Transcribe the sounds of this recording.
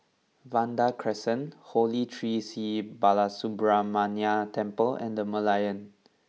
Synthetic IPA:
vãndakʰɹɛsə̃nholitʰɹisibalasubɹamaniatʰɛ̃mpəlɛ̰̃ndəməlajə̃n

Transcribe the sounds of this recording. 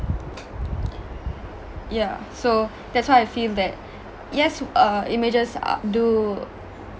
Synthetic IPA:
jaso | dɛtswaɪaɪfildɛt̚ | jɛsʌḭmed͡ʒəsdu

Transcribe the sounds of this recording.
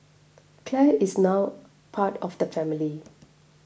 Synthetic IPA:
kʰlɛisnaw | pʰatɔfdəfɛ̃mili

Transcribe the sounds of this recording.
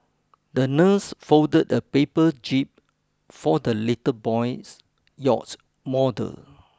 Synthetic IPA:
dənəsfoʊdədəpepəd͡ʒip̚ | fɔdəlitəbɔɪs | jɔ̰t | mɔdə̰l

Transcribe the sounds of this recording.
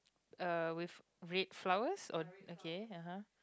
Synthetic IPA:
əwif | ɹet̚flawəsɔokʰeaɦã

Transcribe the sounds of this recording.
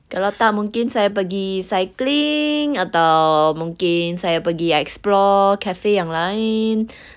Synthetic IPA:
kalawt̪aʔmuŋkɪnsajapəɡisajklɪŋat̪awmuŋkɪnsajapəɡiɛksplɔkafejaŋlaɪn

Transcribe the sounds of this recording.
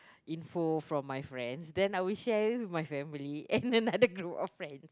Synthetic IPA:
ĩnfofɹɔ̃mːajfɹɛ̃ndsdɛ̃najwilʃɛwimajfɛ̃miliɛ̃nənadəɡɹupɔ̰ffɹɛ̃ns

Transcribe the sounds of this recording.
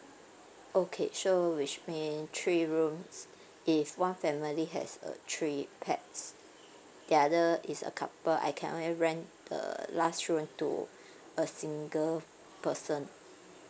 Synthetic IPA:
ʔokʰḛʃowit͡ʃmĩntʰɹiɹũms | ʔifwãnfɛmiliɦɛ̰sə̰tʰɹipʰɛ̰ts | diadəisə̰kʰapəa̰jkʰɛ̰̃nʔõ̰nliɹɛ̃nd̥ə̰lastɹũmtṵ | əsĩŋɡəl | pəsə̃n

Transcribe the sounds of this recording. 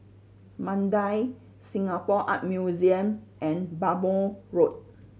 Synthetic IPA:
mãndaj | sĩŋapɔʔa̰t̚mjuziə̃mʔɛ̃nbaboɹot̚

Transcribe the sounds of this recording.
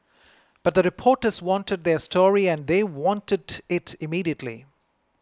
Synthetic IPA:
b̥ʌʈ̚d̪əɾɪpʰɔːʈəzwɔ̃nʈəɖ̚ðestʰɔːɹiæ̃nðeːwɔ̃nʈədɪʈʰɪmiːɾiətʰlḭ

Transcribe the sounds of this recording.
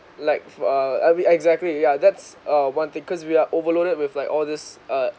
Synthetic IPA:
laɪk̚fʌa̰mĩɛɡzɛk̚tlijad̪ɛtsʌwãnt̪ɪ̃ŋkʰɔswiaʔovəloɾət̚wɪflaɪkɔlˠd̪ɪsʌ

